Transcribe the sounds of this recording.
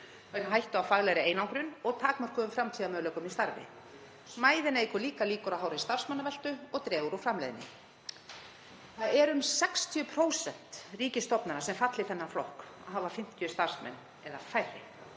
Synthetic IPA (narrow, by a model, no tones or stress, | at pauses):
veɾɦajht̪ʏafaɣlɛɾɪeːjnawŋkɾʏnɔɣt̪ʰaːkmar̥kʏðʏmfɾamt̪ʰiamœðlœkʏmist̪aɾvɪ̰ | smaːjðɪnaejkʏɾliːkaliːkʏɾaðɦaːwɾaist̪ar̥smanːavɛl̥t̪ʏɔɣt̪ɾɛːuːɾufɾamlḛjðɪnːɪ̰ | θaðɛɾʏmsɛkst̪ʰjʏpʰɾoːwsɛn̥t̪riːcɪst̪ɔpnaɾnasɛmfat̪lɪθɛnːaflɔhk | aɦavafɪm̥t̪ʰjʏst̪ar̥smɛ̰nː | ɛðafajɾɪ